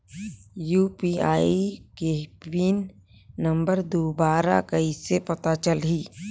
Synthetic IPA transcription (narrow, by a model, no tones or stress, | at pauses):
juːpia̰ːikewiːnːə̃mbəɾd̪oːbaːɾa̰kɐisepɐt̪at͡ʃəlɦiː